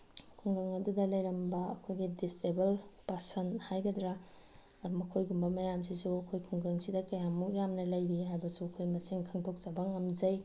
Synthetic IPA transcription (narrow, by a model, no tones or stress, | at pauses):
kʰuŋɡɐŋɐdudɐlɐjɾɐmbɐːkʰojɡidistebɐlpasɐnhajɡɐdɾa | mɐkʰojɡumbɐmɐjamsisuɐkʰojkʰuŋɡɐŋsidɐkɐjamukjamnɐlɐjɾiɦajbɐsuɐkʰojmɐsiŋkʰɐŋtʰok̚t͡ʃɐbɐŋɐmd͡ʒɐj